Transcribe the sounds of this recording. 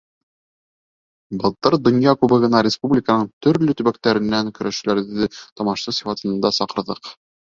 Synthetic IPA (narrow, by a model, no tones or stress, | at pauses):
bɤ̆lˠt̪ɤɾd̪ŏnjɑkʉbɤ̆ʁɤ̆nɑɾʲɪspublʲɪkənɤɴt̪ɵ̆ɾlɵt̪ɵ̆βækt̪æɾɘ̆nːæŋkɵ̆ɾʔæʃɘ̆læɾðɘt̪ɒmɑʃsɤsʲi̥fɑt̪ɤ̆nɤ̆nd̪ɑsɑqɤ̆ɾðɤq